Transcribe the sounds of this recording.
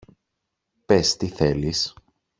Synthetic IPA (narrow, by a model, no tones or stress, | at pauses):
pest̪iθe̞lis